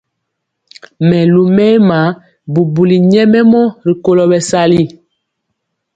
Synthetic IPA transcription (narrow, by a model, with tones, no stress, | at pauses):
mɛ˨lu˨mɛː˦ma˨˦ | bu˨bu˨li˨ɲɛ˦mɛ˦mɔ˦ɾi˨ko˦lɔ˨bɛ˨sa˦li˦